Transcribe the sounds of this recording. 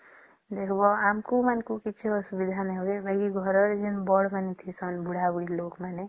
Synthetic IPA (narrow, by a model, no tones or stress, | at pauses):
d̪ekʰbʌamkomanekokit͡ʃʰeʌsubid̪ʱaneɦoɾebaɡiɡʱʌɾʌɾd͡ʒinbɔɽmanit̪ʰisʰʌnbuɽ̤abuɽilokmane